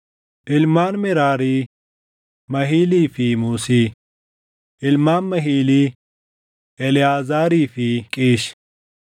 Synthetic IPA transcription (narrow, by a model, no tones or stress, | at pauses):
ʔɪlmaːnmɪɾaːɾiː | mɐɦiːliːfimuːsiː | ʔɪlmaːnmɐɦiːliː | ʔɛlɪjaːzaːɾiːfikʼiːʃ